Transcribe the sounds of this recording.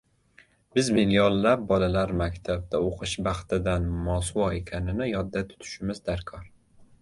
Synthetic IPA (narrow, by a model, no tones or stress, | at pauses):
bɪzbɪljɒlˠːap̚bɒlalaɾmakʲt̪ʰab̚d̪aoqʰɨʃbɑχt̪ɪd̪anmɒsuwɒekʲʰanɪnɪjɒd̪ːat̪ʰʊ̥t̪ʰʊ̥ʃɪmɪzd̪aɾkʰɒɾ